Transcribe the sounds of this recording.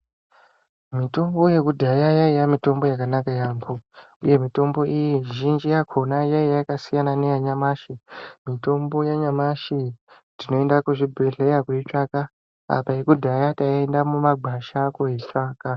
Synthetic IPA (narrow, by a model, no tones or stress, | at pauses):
mito̞mbo̞je̞kudʱajajaijamito̞mbo̞jakanakajaːmbo | ṵje̞mito̞mbo̞ʔijiʒind͡ʒijakʰo̞najaijaakasijanane̞jaɲamaʃimito̞mbo̞jaɲamaʃindino̞e̞ndakuʐibʱeɮejakwuit͡ʂaka | a̰paikudʱajataendamumaɡ͡bʱaʃakoet͡ʂaːka